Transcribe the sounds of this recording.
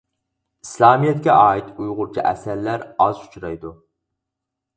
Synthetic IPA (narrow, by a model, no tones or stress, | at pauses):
i̥slˠɑːmijɛt̪̚kʲɛʔɑːit̪ujʁʊɾt͡ʃʰḭʔɛ̰sæɾlæɾɑzu̥t͡ʃʰɾɑjd̪u